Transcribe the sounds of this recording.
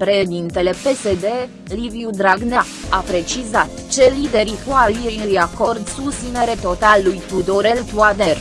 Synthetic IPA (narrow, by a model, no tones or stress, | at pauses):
pɾeʃd̪int̪e̞le̞pe̞se̞d̪e̞ | livjud̪ɾaɡna | apɾe̞t͡ʃizat̪ | t͡ʃe̞lid̪e̞ɾikoaljejujako̞rd̪sust̪ineɾe̞t̪o̞t̪alːujt̪ud̪oɾe̞lt̪uad̪er